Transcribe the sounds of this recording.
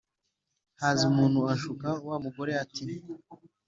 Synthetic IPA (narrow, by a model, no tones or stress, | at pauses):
haziumuːn̥huaʃukauwamuɡo̞ɾe̞ati